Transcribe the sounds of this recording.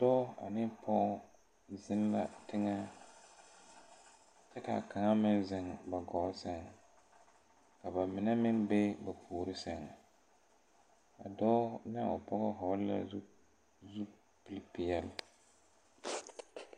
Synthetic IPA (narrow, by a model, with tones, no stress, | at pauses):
dɔː˦a̰˨nɪ˦pʰɔ˦ | zɪ˦n˦la̰˦tɪ˦ŋa˦ | t͡ʃɛ˦ka̰˨ka˨ŋa˦mɪ˦nzɪ˨ŋba˨ɡɔ˨˦sɛ˦ŋ˨ | ka˨ba˨mɪ˨nɛ˦mɪ˦nbe˦ba˨pʰuː˨ɾɪ˦sɛ˦ŋa˨ | a˨dɔː˦nɪ˦a̰˨ʊ̰˨pɔ˦ɣɔ˦ɦɔ˨˦lla̰˦zu˦ | zu˦ | pɪ˦lpɪ˨jɛ˦l